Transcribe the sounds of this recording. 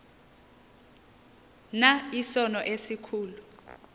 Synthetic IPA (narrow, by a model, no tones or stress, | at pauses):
naisɔnɔʔesikʰuːlu